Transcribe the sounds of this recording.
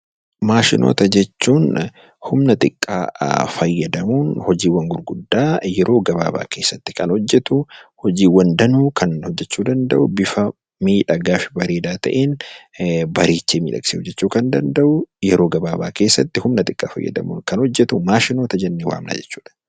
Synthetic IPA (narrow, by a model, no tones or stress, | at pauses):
maːʃɪnʔo̰ːt̪ɐd͡ʒɛt͡ʃːuːn | hʊmnɐt̪ʼɪkʼːa̰ːfɐjːɐd̪ɐmuːnhɔd͡ʒiːwɐŋɡʊɾɡʊd̪ːaːjɛɾo̞ːɡɐba̰ːba̰ːkʰe̞ːsːɐt̪ːɪ̥kɐnhɔd͡ʒːɛt̪ʊhɔd͡ʒiːwɐnd̪ɐnuːkʰɐnhɔd͡ʒːɛt͡ʃːuːd̪ɐnd̪ɐ̰ʔʊbɪfɐ | miːᶑɐɡaːfɪ̥bɐɾeːd̪aːt̪ɐʔeːn | bɐɾeːt͡ʃːeːmḭːᶑɐ̰ksehɔd͡ʒːɛt͡ʃːuːkɐnd̪ɐnd̪ɐʔʊjɛɾoːɡɐbaːbaːke̞ːsːɐt̪ːɪhʊmnɐt̪ʼɪkʼːa̰ːfɐ̰jːɐ̰d̪ɐ̰mṵːnkɐnhɔd͡ʒːɛt̪ʊmaːʃɪno̞ːt̪ɐd͡ʒɛnːewa̰ːmna̰ːd͡ʒɛt͡ʃːu̥ːᶑɐ̥